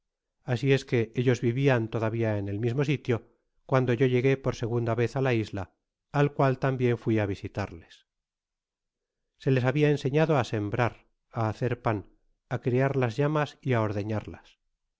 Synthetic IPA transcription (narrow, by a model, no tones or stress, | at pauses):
asie̞ske̞e̞ʝo̞zβiβiant̪o̞ðaβ̞iaene̞lmizmo̞s̬it̪jo̞ | kwand̪oʝoʝe̞ɣe̞po̞ɾse̞ɣ̞und̪aβe̞θalaizlaː | lkwalt̪ambje̞ɱfwiaβ̞isit̪aɾle̞̥s | se̞le̞s̬aβiaense̞ɲaðoase̞mbɾaɾ | aːθe̞ɾpan | akɾiaɾlazʝamasiao̞ɾðe̞ɲaɾlas